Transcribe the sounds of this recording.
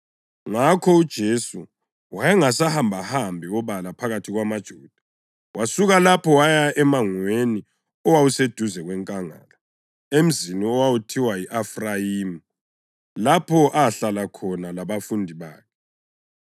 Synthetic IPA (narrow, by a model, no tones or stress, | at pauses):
ŋakʰɔud̥ʒ̥ʱesu | wajaŋasahambʱahambʱiɔβalapʰaɣatʰiɣwamad̥ʒ̥ʱuːd̥ʱḁ | wasuɣalapʰɔwajaɛmaŋweni | ɔwawused̥ʱuzɛɣwɛŋkʼaŋa̰ːla | em̩ziniɔwawutʰiwaiʔafrajiːmu | lapʰɔʔaɬalakʰɔnalaβafundʱiβa̰ːkʰɛ